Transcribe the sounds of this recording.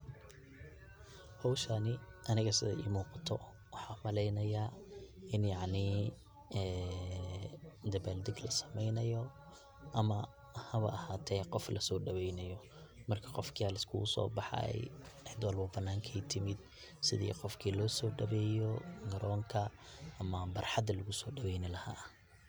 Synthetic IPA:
hɔwʃɐnɪʔɐnɪɣɐsɪðɐ̰ʔḭːmuːqɑt̪ʰɔ | wɑħɑːmɐlɛjnɐjaːɪnjɑʕnɪ | ɛː | d̪ɐbald̪ɪɡlɐsɐ̥mɛjnɐjɔ | ʔɐmɐ | hɐβɐ̰ɐhaːt̪ʰɛjqɔflɐsɔːɖɐβɛjnɐjɔ | mɐrkʰɐ̥qɔfkʰiaːlɪskʰʊ̰ʊsɔ̰ːbɑħɑ̰ɛ̰jʕɪd̪wɑlbʊbɐnːaːŋkʰɛjt̪ʰɪmɪd̪ | sɪðḭːqɔfkʰiːlɔːsɔːɖɐβɛːjɔŋɐɾʔɔːŋkʰɐʔɐmɐbɐrħɑd̪ɐlʊɣʊsɔːɖɐβɛjnɪlɐha̰ː

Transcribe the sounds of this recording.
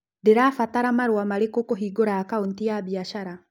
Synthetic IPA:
deɾaːfataɾamaɾwamaɾekokoɦiːɡoɾaːkaontiabiaʃaɾa

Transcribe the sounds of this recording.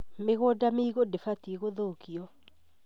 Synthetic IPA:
meɣodameiɣodefatieɣoðokiɔ

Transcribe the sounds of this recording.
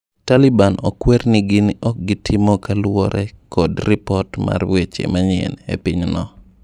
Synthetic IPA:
talibanɔkwernɪɡɪnʔɔk̚ɡɪtʰɪmɔkalwɔɾɛkɔdrɪpɔtma̰rwet͡ʃḛmaɲɪɛ̰nḛpɪɲnɔ

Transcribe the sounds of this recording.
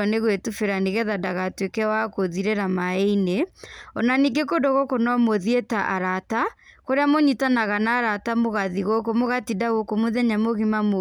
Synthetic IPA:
ɔneɣwetufeɾaniɣɛðadaɣatwekɛwakoðiɾeɾamaeineɔnaniɡekodoɣokonɔmoðietaʔaɾatakoɾeamoɲitanaɣanaːɾatamoɣaðiɣokomoɣatidaɣokomoðɛɲamoɣimamo

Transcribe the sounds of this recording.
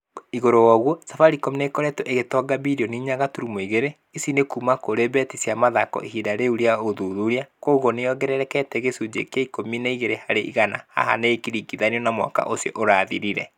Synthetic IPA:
iɣoɾowɔɣwɔsafaɾikomineikɔɾɛtoʔeɣetɔɡabiɾiɔniɲaɣatuɾumoiɣeɾe | isinekuːmakoɾebɛtisjamaðakɔ̰ihidaɾeuɾjaoðuðuɾiakoːɣoneɔɡɛɾɛɾɛkɛtɛɣesud͡ʒḛkeaikominaiɣeɾehaɾeʔḭɣana̰ha̰ɦa̰neːkiɾikiðaniɔnamwa̰ka̰ʔosjɔʔoɾaðiɾiɾɛ̰

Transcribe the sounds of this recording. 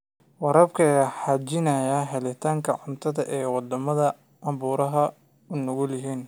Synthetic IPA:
wɑɾɐbkʰɐɛħɑt͡ʃɪnɐjɐɦɛlɪt̪ʰaːŋkʰɐʕʊnt̪ʰɐðɐʔɛːwɑd̪ɐmɐðɐ | ʔɐbuːɾɐɦɐ | ʊnɔɣʊljɪɦiːn

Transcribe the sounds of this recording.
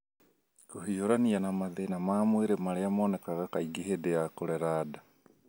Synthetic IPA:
kuhioɾanianamaðenamaːmweɾemaleamoːnɛkaɣakaiɡeɦedejakoɾɛɾaːda

